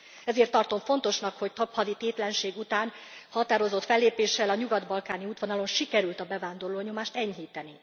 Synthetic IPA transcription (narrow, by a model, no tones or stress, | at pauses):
ɛzeːrt̪ːɒrt̪o̞ɱfo̞n̪t̪o̞ʃnɒkho̞ct̪ɒphɒd̪it̪eːt̪lɛnʃeːɡut̪aːnhɒt̪aːɾo̞zo̞t̪fɛlːeːpeːʃːɛlɒɲuɡɒd̪bɒlkaːniuːt̪ʋonɒlo̞nʃikɛɾylt̪ɒbɛvaːnd̪o̞rloːɲo̞maːʃt̪ɛɲɦiːt̪ɛni